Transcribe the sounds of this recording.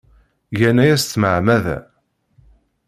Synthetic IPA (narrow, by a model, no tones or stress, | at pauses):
ʝænæjæst̪ːməʕmæðæ̰